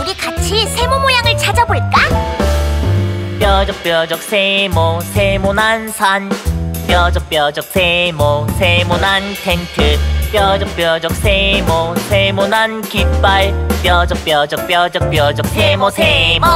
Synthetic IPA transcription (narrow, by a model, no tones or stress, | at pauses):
uɡikat͡ɕʰisʰe̞momojaŋɯɭt͡ɕʰad͡ʑaboɭk͈a | pjʌd͡ʑʌk̚p͈jʌd͡ʑʌk̚s͈ʰemosʰemonɦansʰanp͈jʌd͡ʑʌk̚p͈jʌd͡ʑʌk̚sʰemosʰemonansʰeŋtʰɯɭp͈jʌd͡ʑʌk̚p͈jʌd͡ʑʌk̚sʰemosʰemonankip͈aɭpjʌd͡ʑʌk̚p͈jʌd͡ʑʌk̚p͈jʌd͡ʑʌk̚p͈jʌd͡ʑʌk̚sʰemosʰem